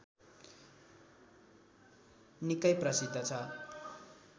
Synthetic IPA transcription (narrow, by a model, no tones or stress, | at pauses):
nikʌjprʌsid̪ʌt͡sʰʌ